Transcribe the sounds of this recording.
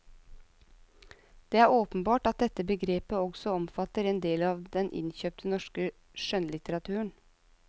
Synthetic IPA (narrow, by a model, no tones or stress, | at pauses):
d̪̥eːæːɾoːpənbɑːʈɑt̪̚d̪ɛt̪ːəbəɡɾeːpəɔɡsɔɔmfɑt̪əɾɛːnd̪eːlɑːʋd̪ɛnʔɪ̰nçøːp̚t̪ʰənɔʂkə | ʃœnlɪt̪əɾɑt̪ʰʉːəɳ